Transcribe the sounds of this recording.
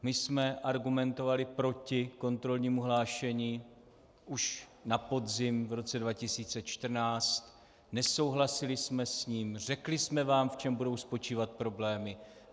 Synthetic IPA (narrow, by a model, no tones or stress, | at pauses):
mɪsmɛʔaɾɡumɛnt̪o̞valɪpɾo̞cɪko̞nt̪ɾo̞lɲiːmuɦlaːʃɛɲiː | ʔuʃ | napo̞dzɪmvɾo̞t͡sɛdvacɪsiːt͡sɛt͡ʃt̪r̩naːt͡st̪ | nɛso̞wɦlasɪlɪsmɛsɲiːmr̝ɛklɪsmɛvaːmft͡ʃɛmbudo̞wspo̞t͡ʃiːvat̪̚pɾo̞blɛːmɪ